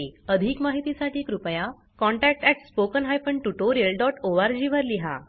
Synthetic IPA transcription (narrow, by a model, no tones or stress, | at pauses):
əd̪ʱiːkmaɦit̪isaʈʰiːkɾupəja | kɔɳʈæk̚ʈɛʈspokənɦajfəɳʈuʈoɾiəlɖɔʈoʋaɾd͡ʑiːʋəɾliɦa̰